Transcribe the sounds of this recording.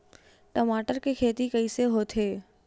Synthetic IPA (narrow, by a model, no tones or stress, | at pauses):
ʈɐmaːʈəɾkekʰeːt̪ikɐiseɦoːt̪ʰɦeː